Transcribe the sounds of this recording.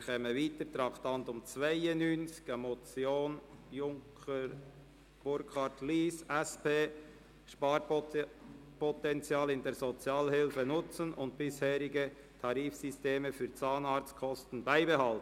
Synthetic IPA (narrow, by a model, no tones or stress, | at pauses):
kʰɛːməviːtət̪ɾɑχtɑntʊmt͡svaɪənːyːnt͡sɪ̥ɡ̥amot͡sjoːnjʊŋkʰə | b̥ʊɾkʰɑtliːsʔɛspeː | ʃpɑːɾ | pʰɔtɛnt͡sjɑːlɪndeːɾzɔt͡sjɑːlhɪlfənʊt͡sənʔʊnt̚b̥ɪshɛːɾɪɡə | tʰɑɾiːfsisteːməfyːɾt͡sɑːnɑːɾt͡skʰɔstən̩baɪbehɑltn